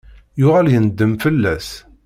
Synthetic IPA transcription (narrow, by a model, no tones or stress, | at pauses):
jʊʁæljənəd̪ːəmfəlːæs